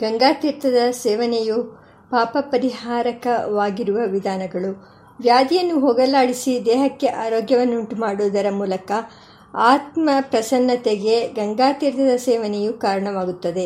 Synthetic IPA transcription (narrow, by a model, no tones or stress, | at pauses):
ɡɐŋɡaːt̪iɾt̪ɐd̪ɐsɛːʋɐneju | paːpɐpɐɾiɦaːɾɐkɐʋaːɡiɾuʋɐʋid̪ʱaːnɐɡɐɭu | ʋjaːd̪ijɐnːuɦɔɡɐlaːɽisid̪ɛːɦɐkːe̞ʔaːɾoːɡjɐʋɐnːuuɳʈumaːɽuːd̪ɐɾɐmuːlɐkɐ | aːt̪mɐpɾɐsɐnːɐt̪eɡe̞ɡɐŋɡaːt̪iɾt̪ɐd̪ɐsɛːʋɐnejukaːɾɐɳɐʋaːɡut̪ːɐd̪e̞